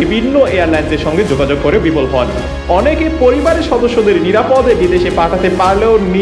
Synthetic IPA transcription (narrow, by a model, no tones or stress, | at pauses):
ibʱinːoeaɾlajnseɾʃɔŋɡed͡ʑoɡad͡ʑoɡ̚koɾebipolɦɔl | ɔnekepoɾibaɾeʃɔd̪oʃːod̪eɾniɾapod̪ebid̪eʃepaʈʰat̪epaɾleoni